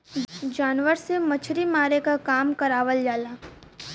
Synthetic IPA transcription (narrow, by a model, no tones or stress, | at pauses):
d͡ʒaːnʋəɾsemɐt͡ʃʰɾimaːɾekakaːmkɐɾaːʋəld͡ʒaːlaː